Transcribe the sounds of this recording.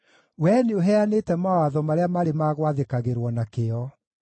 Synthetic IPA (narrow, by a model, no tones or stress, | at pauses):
wɛneoɦɛanetɛmawaðɔmaɾeamaɾemaɣwaðekaɣeɾwɔnakeɔ